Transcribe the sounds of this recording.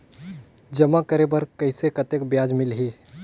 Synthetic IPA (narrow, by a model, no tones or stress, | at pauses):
d͡ʒəmakəɾebəɾkəɪsekət̪ekbjad͡ʒmɪlɦi